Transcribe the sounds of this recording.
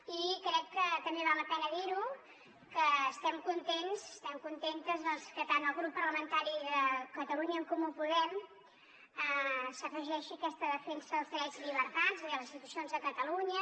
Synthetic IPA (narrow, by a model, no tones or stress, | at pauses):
ikɾɛkːət̪əmbeβ̞alləpɛnəðiɾu | kəːst̪ɛmkunt̪ensəst̪ɛmkunt̪ent̪əzðɔnskət̪ant̪əlˠɣɾupːərləmənt̪aɾiðəkət̪əluɲəːŋkumupuðɛm | əsəfəʒɛʃiəkɛst̪əðəfɛnsəəlˠzd̪ɾɛzliβəɾt̪aziðəlˠzinsit̪usionzðəkət̪əluɲə